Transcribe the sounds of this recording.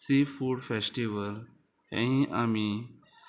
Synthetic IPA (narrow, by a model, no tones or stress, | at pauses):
sefuːɖfesʈiʋəl | ɛ̰̃ĩʔami